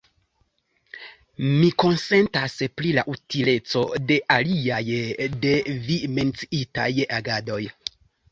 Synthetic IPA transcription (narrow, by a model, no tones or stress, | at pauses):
miko̞nse̞ntaspɾilaʔutile̞t͡so̞de̞ʔaliajde̞vime̞nt͡siita̰jaɡado̞j